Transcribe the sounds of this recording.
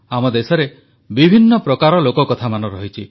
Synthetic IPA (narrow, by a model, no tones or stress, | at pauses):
amɔd̪esɔɾe | bibʱinːɔpɾɔkaɾɔlokɔkɔt̪ʰamanɔɾɔɦit͡ʃʰi